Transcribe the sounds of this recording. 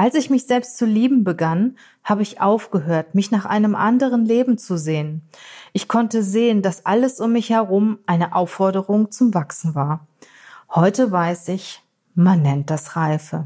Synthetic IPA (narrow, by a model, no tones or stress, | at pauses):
ʔalsɪçmɪçz̥ɛlpstt͡suliːbm̩bəɡan | haːbəɪçʔaʊfɡ̥əɦøːɐtmɪçnaːχʔa̰ɪnəmʔa̰ndəʁənleːbm̩t͡suzeːən | ʔɪçkʰɔntəzeːəndasʔa̰ləsʊmːɪçhɛɐʁʊmʔaɪnəʔaʊfɔɐɾəʁʊŋt͡sʊmvaksn̩vaːɐ | hɔʏtəvaɪsɪç | manːɛnt̚d̥asʁaɪfə